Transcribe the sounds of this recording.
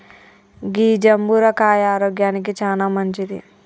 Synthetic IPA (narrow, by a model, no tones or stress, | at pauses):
ɡiːd͡ʒɐmbuɾɐkaːjaːɾoːɡjaːnik̬it͡ʃaːnaːmɐɲt͡ʃid̪ḭ